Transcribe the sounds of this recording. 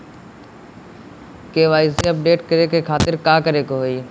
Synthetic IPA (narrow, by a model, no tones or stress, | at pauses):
keːʋaːisiəp̚ɖeːʈkəɾekekʰaːt̪ɪɾkaːkəɾeːkoɦoiː